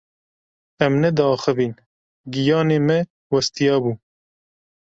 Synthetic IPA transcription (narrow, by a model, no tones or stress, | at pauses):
ɛmnɛd̪ɑːxəviːn | ɡijɑːneːmɛ | wɐst̪ijɑːbuː